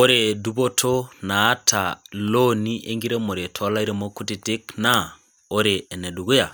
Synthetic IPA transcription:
o˦ɾe˨du˦βo˦tʰo˦naː˨˦tʰaloni˦ʔe˦ŋɡi˦ɾe˦mo˨ɾe˨tʰɔ˦la˦iɾe˦mo˦ku˦ti˨ti˦kna˦ | o˦ɾeː˨nɛ˨du˨ɣu˦ja˨

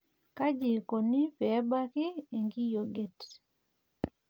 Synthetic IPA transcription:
ka˦d͡ʒi˨ko˨ni˦pɛ˨˦ba˦kɪ˦e˨ŋɡi˦jo˨ɡɛ˦˨t

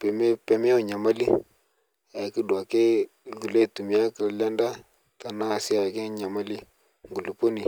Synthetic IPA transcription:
pe˨me˦pɛ˨mɛ˦o˦˨ɲa˨ma˦li˦ | a˨ki˦dwa˨ke˦ | ɡu˨le˦tu˨mi˨a˦ki˨lla˦nda˦ | ta˨na˦˨si˦a˨ke˦ɲa˨ma˦li˦ | ŋɡu˨lu˨po˦ni˨

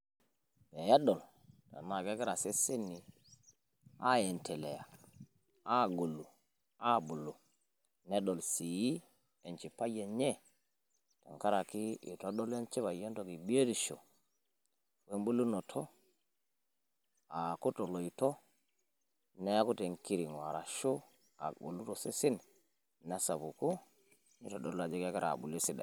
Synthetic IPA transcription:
me˨ja˦ɗo˨l | ta̰˨na˨ke˦kɛ˦ɾa˨se˦si˦nːi˨ | a̰˦je˨ntʰe˨lḛ˨ja˨ | a˦˨ɡu˨lu˨ | a˦˨bu˨lu˨ | ne˦do˨lsi˨ji˦ | e˨nt͡ʃi˨pa˦je˨ɲe˦ | ta̰˨ŋka˦ɾa˨ki˦ḭ˨to˦do˦le˦nt͡ʃi˦βa˨je˦nto˨ki˨bi˦e˦ɾi˨ʃo̰˨ | we˦mbu˦lːu˦no˨tʰo˦ | a˨ku˦to˨lo˨i˨to˦ | ne˦a˦ku˦te˨ŋki˦ɾi˨ŋwa˨ɾa˨ʃo˦ | a̰˨ṵ˨lu˦to˨si˦si˦n | na˨sa˨bu˨ku˦ | ni˦to˨do˦la˨d͡ʒi˦ka˦ka˦ɾa̰˨bṵ˨le˦si˦da̰˨

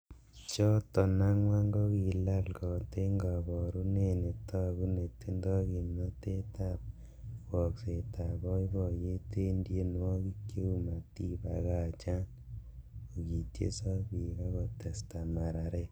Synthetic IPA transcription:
t͡ʃɔ˦tɔ˨na˦ŋwa˦ŋɡɔ˦ki˨la˦lkɔ˨te˦ŋɡa˨bɔ˨ɾu˦ne˦˨ne˨tɔ˦ku˦ne˨ti˦ndɔ˦ki˨mnɔ˦te˦ta˦˨p̚ | wɔ˨kse˨ta˨βɔ˦i˦bɔ˨je˦te˦ndje˦n˦wɔ˦ki˦kje˦u˦ma˨ti˦ba˨ɣa˦˨t͡ʃa˦n | o˨ki˨tjḛ˦sɔ˦ki˨ka˦kɔ˨te˨sta˨ma˨ɾa˨ɾe˦

